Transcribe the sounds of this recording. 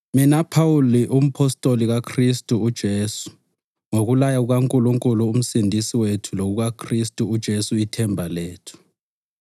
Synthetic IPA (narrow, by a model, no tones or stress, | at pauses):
minapʰauliʔum̩pʰɔstʼoliɣakʰristʼuːd̥ʒ̥ʱeːsu̥ | ŋoɣulajauɣ̬aŋkʼuluŋkʼuluːm̩sindʱisiwetʰuloɣ̬uɣakʰristʼuːd̥ʒ̥ʱesuitʰɛmbʱaleːtʰu̥